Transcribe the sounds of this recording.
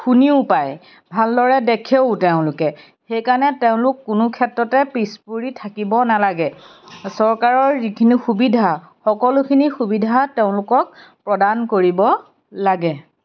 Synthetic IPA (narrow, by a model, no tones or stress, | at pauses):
xuniʊpaj | bʱaldɔɹɛdekʰeʊteʊ̃lʊkɛ | xejkaɹnɛteʊ̃lʊkːʊnʊkʰɛtɹɔtɛpɹispuɹitʰakibɔnalaɡɛ | sɔɹkaɹɔɹikʰinixubidʱa | xɔkɔlʊkʰinixubidʱateʊ̃lʊkɔk̚pɹɔdankoɹibɔ | laɡɛ